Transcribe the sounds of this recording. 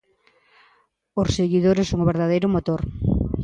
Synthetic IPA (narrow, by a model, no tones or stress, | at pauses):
oseɣiðoɾɪsoŋoβeɾðaðejɾʊmot̪oɾ